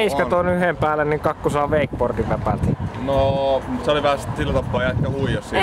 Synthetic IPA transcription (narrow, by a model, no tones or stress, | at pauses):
iskɑt̪onyhempæːlːˑenniŋkɑkːusɑːʋeˑikport̪iʋʋæpæ̰lt̪noseoliʋæhæst̪silːæt̪ɑpːˑɑːjɑekæhuijɑssi